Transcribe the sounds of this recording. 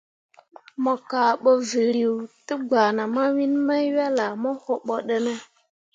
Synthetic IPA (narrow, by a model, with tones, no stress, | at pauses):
mɔ˨ka˨ɓɔ˨vi˨ɾi˨wtə˦ɡ͡ba˨na˨ma˦wi˦n˦ma˦i˦wa˦la˨mɔ˦ho˨ɓɔ˨ɗə˦nə˦